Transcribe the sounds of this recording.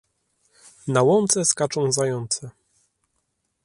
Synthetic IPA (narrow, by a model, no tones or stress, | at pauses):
nawɔnt̪sɛskat͡ʂɔ̃w̃zajɔnt̪sɛ